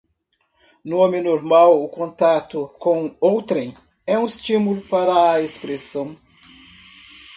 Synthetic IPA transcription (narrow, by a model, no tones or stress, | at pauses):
nʊõmɪ̃noɾmawʊkõnt̪at̪ʊkõowt̪ɾẽj̃ | ɛũɪst͡ʃĩmulʊpaɾɐːespɾesɐ̃w̃